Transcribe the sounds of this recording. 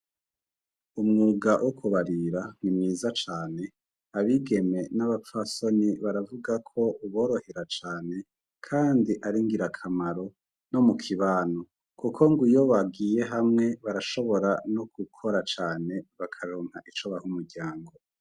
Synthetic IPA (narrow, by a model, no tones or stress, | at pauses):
umŋuːɡawʔokʰuβaɾiɾanimŋiːzat͡ʃaːne̞ | aβiɡe̞me̞naβafwasoniβaɾavuɡakʰo̞uβo̞ːɾo̞heɾat͡ʃaːne̞ | kʰaːndiʔaɾiŋɡiɾakʰamaɾo̞ | no̞mukʰiβaːno | kukʰo̞ŋɡujo̞βaɡiːje̞ɦamŋe̞βaɾaʃo̞βo̞ɾanoɡukʰo̞ɾat͡ʃaːne̞βakʰaɾoːŋhaʔit͡ʃoβahumuɾɟaːŋɡo̞